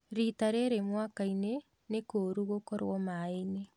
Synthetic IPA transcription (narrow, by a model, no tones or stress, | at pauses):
ɾitaɾeɾemwakaine | nekoːɾuɣokɔɾwɔmaene